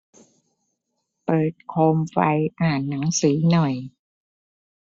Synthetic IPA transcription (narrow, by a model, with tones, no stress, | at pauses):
pɤː˨˩t̪̚kʰoː˧mfa˧jʔaː˨˩nːa˩˦ŋsiː˩˦nɔ˨˩j